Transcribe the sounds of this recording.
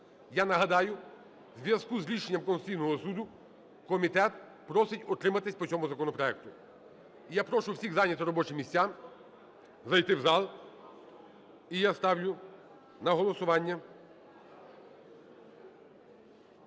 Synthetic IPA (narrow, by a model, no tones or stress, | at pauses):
janɐɦɐd̪ɑjʊ | zʲʋʲjɐskuzɾʲiʃenʲːɐmkɔnsʊ̥t͡sʲijnɔɦɔsud̪ʊ | kɔmʲit̪ɛt̪̚ | pɾɔsɪtʲɔt̪ɾɪmɐt̪ɪsʲpɔt͡sʲɔmʊzɐkɔnɔpɾɔɛk̚t̪ʊ | ijapɾɔʃʊwsʲiɣzɑnʲɐt̪ɪɾɔbɔt͡ʃɪmʲisʲt͡sʲam | zɐjt̪ɪwzɑlˠ | ijast̪ɑwlʲʊ | nɐɦɔlˠɔsʊʋɑnʲːɐ